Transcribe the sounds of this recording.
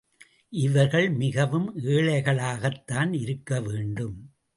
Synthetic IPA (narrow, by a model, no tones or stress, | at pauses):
ʔɪʋɐɾɣɐɭmɪɣɐʋɯmeːɭɐɪɣɐɭaːɣɐt̪ːaːnɪɾɯkːɐʋeːɳɖɯm